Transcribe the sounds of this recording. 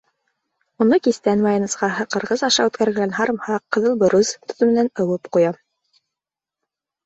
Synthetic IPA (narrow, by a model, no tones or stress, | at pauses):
unɤkist̪ænmɑjɑnɤ̆sqɑɦɤqɤ̆ɾʁɤzɑʃɑʉt̪kæɾɡɘ̆ɡænɦɑɾɤ̆mhɑqːɤ̆ðɤlˠbɤ̆ɾuzt̪ŏ̥t̪ɤ̆mɘ̆nænɤ̆wɤpqujɑ